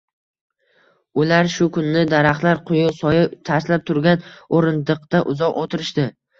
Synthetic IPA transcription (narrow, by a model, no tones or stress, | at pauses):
ʊlaɾʃʊkʰʊnːɪd̪aɾaχt̪laɾqʰʊjʊsɒjɪt̪ʰaɾslap̚t̪ʰʊɾɡʲanoɾɪnd̪ɨqt̪aʔʊzɒqot̪ʰɪɾɪʃd̪ɪ